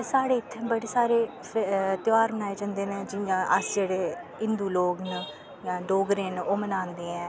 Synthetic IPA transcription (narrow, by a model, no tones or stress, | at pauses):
saːɽeːɪt̪ʰːẽːbəɽeːsaːɾeː | t̪ɪʋaːɾmənaːeːd͡ʒãːnd̪eːned͡ʒɪ̃ʔəsd͡ʒeːɽeː | ɪnd̪uːloːɡnə | jãːɖoːɡɾẽːnoːmənãːnd̪eːɛ̃ː